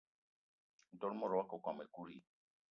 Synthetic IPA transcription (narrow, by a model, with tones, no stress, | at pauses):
dɔ˨ɾmɔ˦˨ɾɔ˨wa˦ko˨kʷa˨me˨ku˦ɾi˨